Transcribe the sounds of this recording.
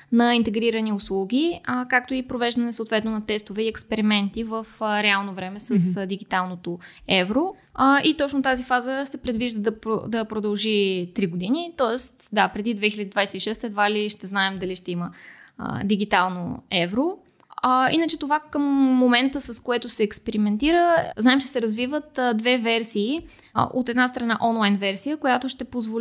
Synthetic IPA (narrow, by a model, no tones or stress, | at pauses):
nɐint̪ɛɡɾiɾəniʊslˠuɡʲiəkak̚t̪oipɾovɛʒd̪ənɛsəot̪vɛt̪nonɐt̪ɛst̪ovɛiɛkspɛɾimɛnt̪ivəfɾɛalˠnovɾɛmɛsəsd̪iɡit̪alˠnot̪o | ɛvɾo | it̪ɔt͡ʃnot̪azifazəsɛpɾɛd̪viʒd̪əd̪ɐpɾo̰d̪ɐpɾod̪ɐlˠʒit̪ɾiɡod̪init̪ɔɛst̪d̪apɾɛd̪id̪vɛxilʲəd̪id̪vajsɛiʃɛst̪ɛd̪valiʃt̪ɛznaɛmd̪ɐliʃt̪ɛimə̰ | d̪iɡit̪alˠno̰ɛvɾo | inət͡ʃɛt̪ovakəmːomɛnt̪əsɐskoɛt̪ʊsɛːkspɛɾimɛnt̪iɾəznaɛmt͡ʃɛ̥sɛɾɐzvivət̪d̪vɛvɛɾsiː | ʔo̰t̪ɛd̪nast̪ɾɐna̰ʔɔnlˠajnvɛɾsijəkojat̪oʃt̪ɛpozvol